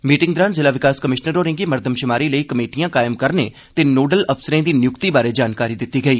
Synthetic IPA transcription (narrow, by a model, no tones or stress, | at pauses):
miːʈɪ̃ŋɡd̪ɾaːnzɪlaʋɪkaːskəmɪʃnəɾoːɾɪ̃ŋɡimɐɾd̪ʱəmʃɪmaːɾiləikɐmeːʈijãkaːɪəmkɐɾnḛ | t̪enoːɖəlɐpsəɾẽd̪injʊkt̪ibaːɾed͡ʒaːnkaːɾid̪ɪt̪ːiɡɐiː